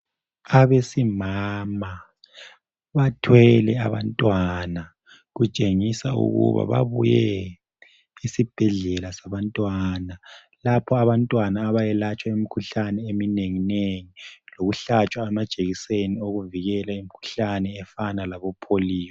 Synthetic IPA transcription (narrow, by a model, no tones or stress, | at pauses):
aβesimama | βatʰwɛlɛa̰βa̰ntʼwana | ɣut͡ʃʼeŋisaṵɣṵβa̰βa̰βṵjɛ | isib̥ʱɛɮɛlasaβantʼwana | lapʰɔaβantʼwanaːβajɛlat͡ʃʼwaimikʰuɬanɛemineŋineŋiloɣuɬat͡ʃʼwaɛmḁt͡ʃʼeɣisenioɣuviɣɛlaimikʰu̥ɬanɛːfanalaβɔpʰoliːjɔ